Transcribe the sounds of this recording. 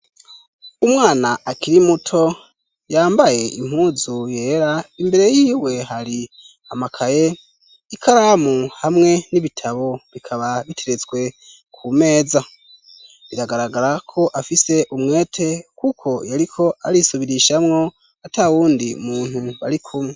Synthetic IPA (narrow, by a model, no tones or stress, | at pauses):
umŋaːnaakiɾimutʰo̞ | jaːmbaje̞ʔḭm̥huːzuje̞ːɾaimbe̞ɾe̞jiːwe̞ɦaɾi | amakʰaje̞ | ikʰaɾaːmuhamŋe̞niβitʰaβo̞βikʰaβaβitʰe̞ɾe̞t͡sɡwe̞ | kʰume̞ːza | βiɾaɡaɾaɡaɾakʰo̞ʔafise̞ʔumŋe̞ːtʰe̞kukʰo̞jaɾikʰo̞aɾisuβiɾiʃamŋo̞ | atʰauːndiṵmuːn̥huβa̰ɾikʰumŋe